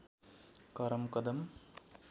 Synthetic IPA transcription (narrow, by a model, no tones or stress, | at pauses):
kɐɾɐmkɐd̪ɐm